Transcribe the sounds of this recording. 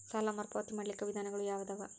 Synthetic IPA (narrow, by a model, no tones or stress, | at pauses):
sɐlɐmɐrpoːt̪ːimɐɭːikːɐʋid̪ʱaːnɐɣɐɭujaːʋɐd̪ɐʋɐ